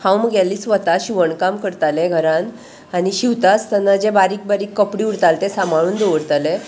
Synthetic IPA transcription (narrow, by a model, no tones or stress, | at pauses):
hʰãwməɡjalːiːsʋət̪aɕiʋəɳkamkəɾt̪aleɡʱəɾãn | aniɕiʋt̪at͡st̪ənːad͡ʑebaɾiːk̚baɾiːkːəpɽiːuɽt̪alt̪esamaɭuːnd̪oʋəɾt̪alẽ